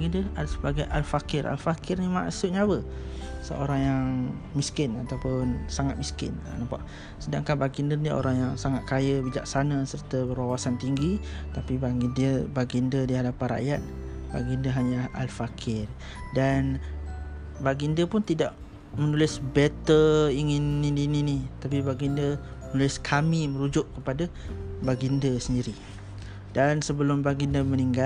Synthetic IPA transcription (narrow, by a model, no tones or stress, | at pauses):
ɡindəasəbaɡajʔalfakɪɾʔa̰lfakɪrnima̰ʔsʊt̪̚ɲaabəsə̰ʔo̰ɾaŋjaŋ | miskɪnat̪awpʊnsaŋat̪̚miskɪ̰n̰napa̰ʔ | sədaŋkanbaɡindənio̰ɾaŋjaŋsaŋat̪̚kajəbid͡ʒa̰ʔ̚sanəsərt̪əbəɾwawasant̪iŋɡit̪apibaɡindəbaɡindədiɦadapanɾa̰ʔjat̪̚baɡindəɦaɲaʔa̰lfakʰɪr | dan | baɡindəpʊnt̪idaʔ | mənulɪsbɛt̪əiŋɪnːinininit̪ap̬ibaɡindəmənulɪskʰamimə̃ɾud͡ʒʊʔkəpadabaɡindəsəndiɾi | dansəbəlʊmbaɡindəməniŋɡa